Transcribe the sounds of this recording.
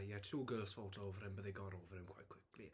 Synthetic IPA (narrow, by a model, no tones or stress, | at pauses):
jɛtʰuːɡəːlsvɔlˠtʰoːvɾɛmbəðejɡɔɾoːvrɛmkʰwa̰jkʰw̥ɪkli